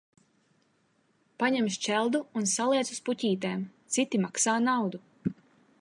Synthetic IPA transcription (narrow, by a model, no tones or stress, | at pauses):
paɲɛmʃt͡ʃɛlˠd̪uːnsalˠiɛsuspucʲiːt̪̬eːmt̪sit̪imaksaːnawd̪u